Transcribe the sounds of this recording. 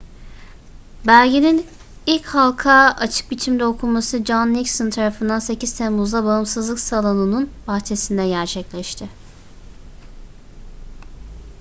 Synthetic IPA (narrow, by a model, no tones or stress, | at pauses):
bælʲɟenin | ilʲchalˠkʰaːat͡ʃʰɯ̥k̚bit͡ʃʰimd̪ɛo̞kʰulˠmasɯd͡ʒanːicsɯnt̪ʰaɾafɯnd̪anse̞ciz̥t̪ʰɛmmuzd̪abaɯmsɯzlˠɯksalˠonɯnunbaxt͡ʃʰe̞sind̪ɛɟæɾt͡ʃʰɛclʲɛʃt̪ʰɪ